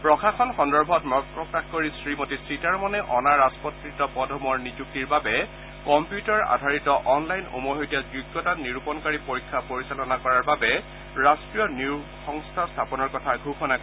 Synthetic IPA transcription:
pɹɔkʰaxɔnxɔndɔɹbʱɔtmɔɡpɹɔkaxkoɹisɹimotisɹitaɹmɔnɛʔɔnaɹaspɔtɹitɔpɔdʱɔmɔɹnizuk̚tiɹbabɛ | kɔmpjutaɹa̰dʱaɹitɔʔɔnlajno̰moɦojtijazuɡːɔtaniɹupɔnkaɹipoɹikʰːapoɹisalɔnakɔɹaɹbabɛ | ɹastɹijɔnjixɔŋstʰastʰapɔnɔɹkɔtʰaɡʱuxɔnakɔ

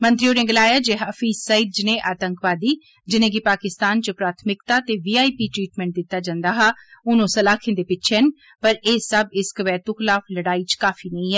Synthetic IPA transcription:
mənt̪ɾɪjoːneːɡɪlaːjaːd͡ʒeːɦaːfiːzsəiːd̪̚d͡ʒɪnẽːʔaːt̪əŋkʋaːd̪iː | d͡ʒɪnẽːɡɪpaːkɪst̪aːnt͡ʃəpɾaːt̪ʰmɪkt̪aːt̪eːʋiːaːiːpiːʈɾiːʈmɛ̃ːɳʈ̚d̪ɪt̪ːaːd͡ʒãːnd̪aːɦaːʊnõːsəlaːkʰẽnd̪eːpɪtːt͡ʃʰɛn | pəɾeːsəbɪskəʋɛːt̪ʊkʰɪlaːfləɽaːiːt͡ʃkaːfʰiːnəĩːɦɛː

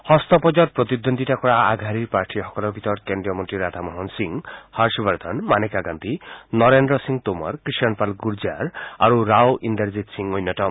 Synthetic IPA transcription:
hɔst̪ɔpɔd͡ʒaɾpɾɔt̪id̪ond̪ʱiʈakɔɾaaɡʱaɾiɾpaɾʈʰiɦɔkɔlɔbit̪ɔɾt̪keɳɖiɔmɔnʈɾiɾad̪ʰʱamɔɦɔnsiŋhaɾʃɔbaɾd̪ʱanmanekaɡant̪inɔɾendɾɔsiŋt̪oma̰ɾkɾiʃɔnpalɡuɾd͡ʒaɾa̰ɾuɾawʔind̪eɾzit̪siŋojnːɔʈɔ

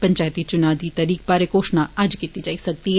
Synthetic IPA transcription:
pə̃ɲt͡ʃaːjət̪it͡ʃʊnaːd̪iːt̪ɐɾiːk̚baːɾekoːʃnaɐd͡ʒkiːt̪id͡ʒaːisɐk̚d̪iɦɛ

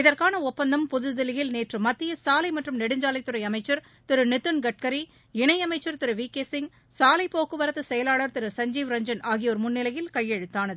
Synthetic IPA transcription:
ɪðɐrkaːnɐɔpːɐnd̪ɐmpʊðɯðɪlɪjɪlneːʈrɯmːɐt̪ːɪjɐsaːlɐɪmɐʈrɯmnɛɽɯɲd͡ʒaːlɐɪt̪ːɯɾɐɪɐmɐɪt͡ʃːɐɾ | t̪ɪɾɯnɪt̪ːɯnɡɐʈ̚kɐɾi | ɪɳɐɪɐmɐɪt͡ʃːɐɾt̪ɪɾɯʋiːkeːsɪŋɡ | saːlɐɪpoːkɯʋɐɾɐt̪ːɯsɛjɐlaːɭɐɾt̪ɪɾɯsɐɲd͡ʒiːʋɾɐɲd͡ʒɐnaːɣɪjoːɾmʊnːɪlɐjɪlkɐjːɛɻɯt̪ːaːnɐðɯ

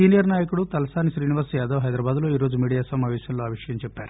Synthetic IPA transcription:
iːnijɐɾnaːjɐkuɽut̪ɐlɐsaːniʃɾiːniʋɐɾsɛːd̪ɐʋɦɐjd̪ɾɐbaːd̪lo̞ːiːɾoːd͡ʒumiːɽijaːsɐmaːʋɛːʃjɐnloːɐːʋiʂɐjɐmt͡ʃɛpːaːɾu

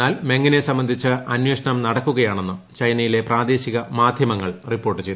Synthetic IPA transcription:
aːlme̞ŋːine̞sɐmbɐnd̪ʱit͡ɕːɨʔɐnjwe̞ːʂɐɳɐmnɐɽɐkːuɣɐjaːɳe̞nːɨt͡ɕɐjnɐjile̞praːd̪e̞ːɕiɣɐmaːd̪ʱjɐmɐŋːɐɭripːo̞ːrʈːɨt͡ɕe̞jt̪

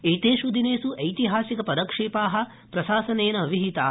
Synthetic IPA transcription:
eːt̪eːʃud̪ineːsuʔɐjt̪iɦaːsikɐpɐd̪ɐkʂiːpaːɦɐ̆ | pɾɐʃaːsɐneːnɐɐʋiɦit̪aː

